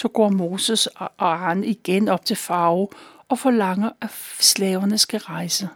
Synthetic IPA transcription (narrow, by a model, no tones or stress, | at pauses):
sɒ̽ɡ̥ɒ̰ːmo̝ːsəsɑniɡ̥enɒ̽b̥̚t͡sʰe̝lfɑ̈ʊ | ɒ̽fɒ̽lɑ̈ŋ̰ɐæslɛːʊɐnəsɡ̥æʁɑ̈ɪsə